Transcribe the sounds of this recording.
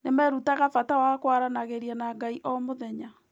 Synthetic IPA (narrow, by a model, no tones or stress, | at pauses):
nemɛɾutaɣafatawakwaɾanaɣeɾiɛnaɡaiʔɔmoðɛɲa